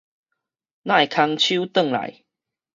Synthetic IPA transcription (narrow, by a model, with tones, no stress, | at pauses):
nã˥˧˨e˨˩kʰa˧ŋt͡ɕʰu˦t̪ə˥˨ŋla̰˨˦j